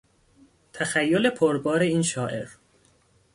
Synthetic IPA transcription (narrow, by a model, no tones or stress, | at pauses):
t̪ʰæxæjːole̞pʰoɾbɒːɾe̞iːnʃɒːʔe̞̰ɾ